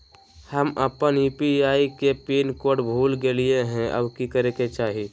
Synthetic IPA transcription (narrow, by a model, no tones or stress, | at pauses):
həməpənjuːpiaːikepiːnkoːɾʈbʱulɡelijeɦɛ̃ʔə̰bkikəɾeket͡ʃaːɦi